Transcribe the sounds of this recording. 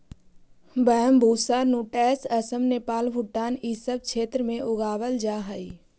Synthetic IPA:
bəɦəmbʱuːsaːnuːʈɛːsəsəmneːpaːlbʱʊʈaːnisəb̚t͡ʃʰeːt̪ɾəmẽʔʊɡaːʋəld͡ʒaːɦəi

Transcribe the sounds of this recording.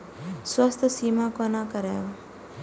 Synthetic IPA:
swəst̪ʰsiːmakonakəɾeːʋa

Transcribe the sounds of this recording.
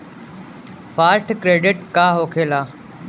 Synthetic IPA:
faːɾʈʰkɾeːɖɪʈkaːɦoːkʰeːlaː

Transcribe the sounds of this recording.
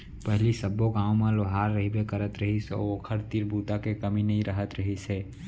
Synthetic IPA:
pɛɦlisəbːoɡãːwmẽloɦaːɾːəɦibekəɾət̪ɾəɦisɔ̰okʰəɾt̪iːɾbuːd̪akekəminɐɦĩɾəɦət̪ɾəɦiseː

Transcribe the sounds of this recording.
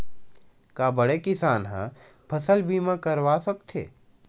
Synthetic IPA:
kabəɽekɪsaːnɦã̰ | pʰɐsəlbiːmãkəɾwaːsəkt̪ʰḛː

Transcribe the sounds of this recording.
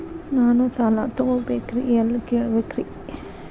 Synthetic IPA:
naːnusaːla̰t̪oobekɾḭelkeːɭbekɾḭ

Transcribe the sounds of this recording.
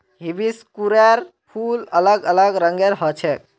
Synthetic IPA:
ɦibiskuɾeɾ | pʰulələɡələɡɾəŋɡeɾɦɔt͡ʃʰɛk

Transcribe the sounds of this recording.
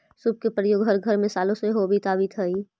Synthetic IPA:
sʊb̚kepɾəjoːɡɦəɾɡʱɐɾmẽsaːlõseɦobʱit̪aːʋit̪ʰɐiː

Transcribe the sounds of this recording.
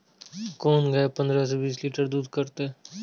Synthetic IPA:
koːnɡəepə̃nd̪ɾas̬ebiːsliːʈəɾd̪uːd̪kəɾt̪e

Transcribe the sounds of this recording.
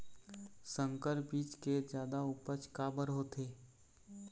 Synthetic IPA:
sə̃ŋkəɾbiːt͡ʃked͡ʒjaːd̪aʊpət͡ʃkaːbəɾɦoːt̪ʰeː

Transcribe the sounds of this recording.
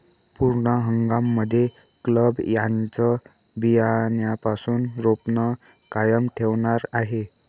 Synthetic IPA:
puɾɳəɦəŋɡamːəd̪ʱːje | kləbjant͡sə | bijanjapasuːnɾopnə | kajəmʈʰeʋɳaɾaɦe

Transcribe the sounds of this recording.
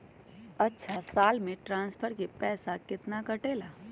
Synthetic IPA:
ɐtːʃʰasaːlmẽʈɾãːnspʰəɾkepɛːsakɪt̪nakɐʈeːlaː

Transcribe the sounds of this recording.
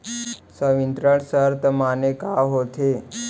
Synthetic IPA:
səʋint̪ɾəɽsəɾt̪əmanekaɦot̪ʰe

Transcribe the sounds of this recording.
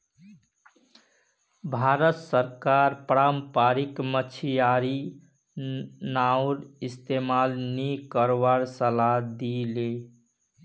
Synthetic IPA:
bʱaɾət̪səɾkaɾpɾampaɾikmət͡ʃʰijaɾi | nawɾist̪emalnikəɾwaɾsəlad̪ile

